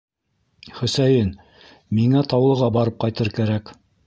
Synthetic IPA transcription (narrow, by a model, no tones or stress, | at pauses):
χɵ̆sæjɘn | miŋæt̪ɑwlˠɤ̆ʁɑbɑɾɤp̚qɑjt̪ɤɾkæɾæk